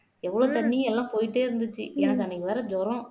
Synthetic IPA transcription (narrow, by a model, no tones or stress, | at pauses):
ɛʋːɐɭoːt̪ɐɳːɪj̃ɛlːãːpoːjɪʈ̬ːeːɪɾɯnd̪ɯt͡ʃːɯ̰ɛnɐkːɯɛnːɐkːɯʋɐːɾɐd͡ʒɔɾõ